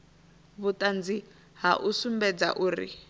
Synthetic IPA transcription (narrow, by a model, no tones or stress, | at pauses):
βʊtʼand͡zi | ɦaʔusumbɛd͡za̰ʔuːrḭ